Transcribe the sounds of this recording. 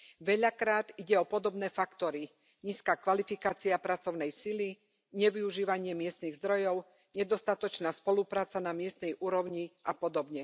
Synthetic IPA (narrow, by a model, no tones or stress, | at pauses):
ʋɛʎakɾaːd̪iɟɛɔpɔd̪ɔbnɛːfakt̪ɔɾi | ɲiːskaːkʋalifikaːt͡siapɾat͡sɔʊnɛjsili | ɲɛʋiuʒiːʋaɲɪɛmɪɛst̪niɣzd̪ɾɔjɔʊ | ɲɛd̪ɔst̪at̪ɔt͡ʃnaːspɔlupɾaːt͡sanamɪɛst̪nɛjʔuːɾɔʊɲiʔapɔd̪ɔbɲɛ